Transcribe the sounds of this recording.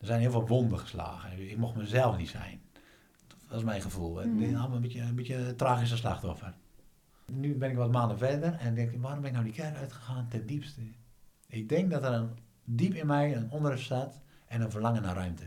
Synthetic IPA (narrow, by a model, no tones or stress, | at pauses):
d̥ərsɛjnhiəlˠʋɔlʋondəxə̥sla̰ːɣəɪk̚moxməzɛlˠfnitsɛ̰jn | ʋɔs̬mɛjnxəvulˠdɪnalˠmaləbitjəbitjətraːxis̬əsla̰xtɔfər | nybɪnɪkʋɔtmaːndəfɛdərɛnk̚dɪŋkʋaɾɔmbɪnɪk̚nowdikʰɛrœɥtxəxaːntɛndipstə | ɪk̚dɪŋk̚dɔtəɾən | dipɪnmɛjənondərɪfsatɛnənfərlaŋənarœɥmtʰə